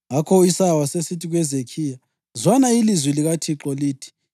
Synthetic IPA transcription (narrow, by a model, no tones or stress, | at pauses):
ŋakʰɔisawasesitʰiɣwɛzekʰiːja | zwanailizwiliɣatʰiǁɔliːtʰi̥